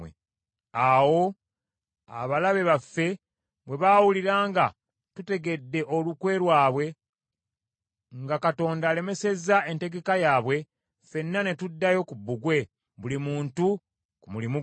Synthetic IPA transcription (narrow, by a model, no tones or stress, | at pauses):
e | awo̞ | a̰βalaβe̞βafːe̞ | βwe̞βaːwuliɾaːŋɡa | tute̞ɡe̞dːe̞ʔo̞lukwe̞ːɾwaːβwe̞ | ŋɡakato̞ːndaːle̞me̞se̞zae̞nte̞ɡe̞kajaːβwe̞ | fe̞nːane̞tudːajo̞kubːuɡwe̞ | βulimuːntu | kumulimu